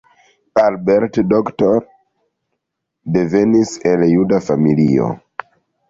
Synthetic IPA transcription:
albeɾtdoktoɾ | deveniseljudafamilio̰

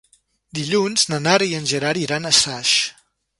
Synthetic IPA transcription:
d̪iʎunznənaɾiənʲʒəɾaɾiɾanəsaʃ

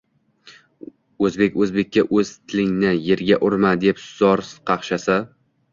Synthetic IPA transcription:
ɵzbe̞kʲɵzbe̞k̚ʲːaʔɵz̥t̪ʰɪlɪŋnɪje̞ɾɡʲaʔʊɾmad̪epz̥ɒɾqʰɑχʃasa

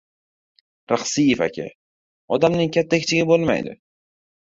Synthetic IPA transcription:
ɾɑχsifa̰kʲʰa̰ | ɒd̪amnɪŋkʲʰat̪ʰːakʲt͡ʃʰɪɡʲɪbolˠma̰jd̪ɪ̰

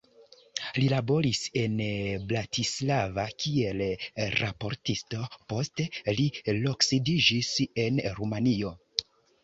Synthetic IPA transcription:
lilabo̞ɾise̞nblatʰislavakie̞lɾa̰po̞ɾtisto̞po̞ste̞lilo̞ksidid͡ʒise̞nɾumanio̞

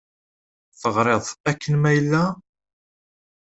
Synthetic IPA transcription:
θəʁɾˤeðˤækːənmæjəlːæ

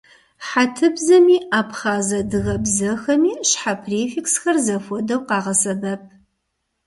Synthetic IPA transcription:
ħatʰɨbzɐmiːaːpχaːzɐdɨɣɐbzɐxɐmiːɕħapʰreːfiksxɐrzɐfʷɔdɐwqɑːʁɐsɐbɐp̚ʰ

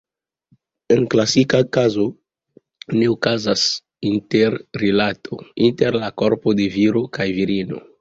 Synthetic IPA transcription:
enklasikakazo | ne̞okazas | inteɾːilatʰo̰inteɾlako̞ɾpodeviɾokajviɾino̞̰

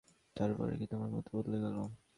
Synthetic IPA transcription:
taɾpɔ̰ɾḛkit̪omaɾmo̰t̪ibod̪leɡalo

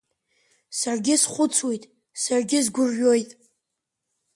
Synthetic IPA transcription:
sarɡʲɪsχʷʊt͡sʰwejtʼ | sarɡʲɪzɡʷʊrːo̞jtʼ

